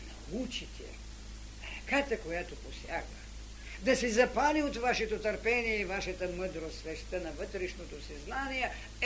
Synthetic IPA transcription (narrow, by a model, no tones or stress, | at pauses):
nɐut͡ʃit̪ʰɛ̰ | ɛkat̪ɛkojat̪oposja̰ɡvə | d̪ɐsɛzɐpaliot̪vaʃɛt̪ot̪əɾpɛniɛivaʃɛt̪əməd̪ɾosvɛʃt̪ənɐvɤt̪ɾɛʃnot̪osɛznanijɛ